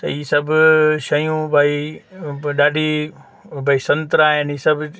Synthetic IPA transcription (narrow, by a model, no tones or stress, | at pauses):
t̪ɐ̰iːsɐbʃɐjũbʱaːi | ɗaːɖʱi | bʱaːisɐ̃nt̪ɾaːɦɪniːsɐb